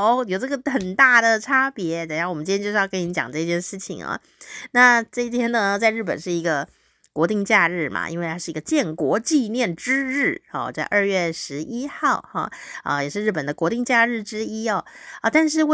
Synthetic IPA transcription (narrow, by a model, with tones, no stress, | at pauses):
jo˨˩ʊʈ͡ʂɤ˥˩ɡə˩xə˨˩nt̪a˥˩d̪ə˩ʈ͡ʂʰa˥pjɛ˧˥t͡sə˨˩ja˥˩wɔ˨˩mə˦nʈ͡ʂ̪jt͡ɕo˥˧ʂɻ̩˥˧kə˥ni˧˥t͡ɕjɑ̰˨˩ŋʈ͡ʂɤ˥˧t͡ɕjɛ˥˧nʂɻ̩˥˩t͡ɕʰḭ˨˩ŋɐ̰˩ | na˥˧ʈ͡ʂɤ˥˧i˥˩t̪ʰjɛ˥nnə˧t͡sa˥˧ɻ̩˥˩p̬ə̰˨˩nʂɻ̩˥˩i˧˥ɡə˧ | kwɔ˧˥t̪i˥˧ŋt͡ɕja˥˧ɻɻ̩˥˩ma̰˨˩ʔḭ˥nwe˥˧t̪ʰa˥ʂɻ̩˥˩˧ɡə˧t͡ɕjɛ˥˩nkwɔ˧˥t͡ɕi˥˧njɛ˥˩nʈ͡ʂɻ̩˥ɻɻ̩˥˩ɔ̰˥˩t͡sa˥˧ɪʔə˞˥˧ɥɛ˥˩ʂɻ̩˧˥ʔi˥xɑ˥˩ʊɑ̰˥˩ə̰˧jɛ˨˩ʂɻ̩˥˧ɻ̩˥˩pə˨˩nd̪ə˦kwɔ˧˥t̪i˥˧ŋt͡ɕja˥˧ɻɻ̩˥˩ʈ͡ʂɻ̩˥i˥ɑ˥˩ə˧˩t̪a˥˧nʂ̬ɻ̩˥˧w